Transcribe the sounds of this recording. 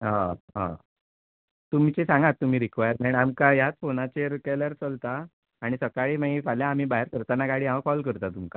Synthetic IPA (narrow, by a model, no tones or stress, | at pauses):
ɦãɦã̰ | t̪umt͡ɕesãŋɡat̪ːum̤iːɾikʋajəɾmaɳamkajat͡sfonat͡ɕeɾukaljaɾt͡səlt̪aː | ɽ̃isəkaɭiːmãifaljaːm̤iːbaɦeɾkəɾt̪anaɡaɽiːãʋakɔlk̬əɾt̪at̪umka